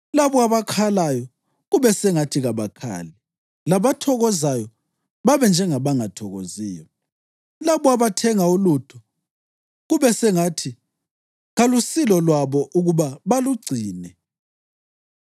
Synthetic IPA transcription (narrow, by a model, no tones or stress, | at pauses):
laβɔaβakʰalajɔ | ɣuβɛsɛŋatʰiɣaβakʰa̰ːlɛ | laβatʰɔɣɔzajɔ | βaβɛnd͡ʒʱɛŋaβaŋatʰɔɣoziːjɔ | laβɔaβatʰɛŋaulutʰɔ | ɣuβɛsɛŋatʰi | ɣalusilɔlwaβɔʔuɣuβaβaluɡ͡ǀʱiːnɛ